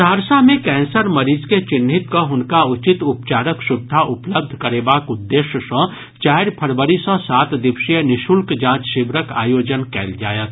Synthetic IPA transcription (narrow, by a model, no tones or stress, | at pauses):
d̪ʱaːɾsamẽkɛ̃ːnsəɾmɐɾiːzket͡ʃɪnːɪt̪koɦʊnkaʊt͡ʃɪt̪ʊpt͡ʃaːɾəkʃʊb̚d̪ʱaʔʊpləb̚d̪ʱkəɾeːbaːkʊd̪ːeːʃjəsə̃ː | t͡ʃaːɦɾpʰɐɾbəɾisə̃saːt̪d̪ɪpʃijənɪʃulkd͡ʒãːt͡ʃʃɪbɾəka̰ːjoːd͡ʒənkɛːld͡ʒaːjət̪ʰ